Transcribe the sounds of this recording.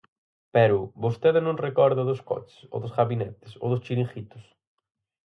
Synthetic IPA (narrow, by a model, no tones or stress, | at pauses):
pɛɾʊβost̪eðɪnõŋrekɔɾðɐðʊskɔ̰t͡ʃɪ̥so̰ðʊsɣaβinɛt̪ɪ̥so̰ðʊst͡ʃiɾĩxit̪ʊ̥s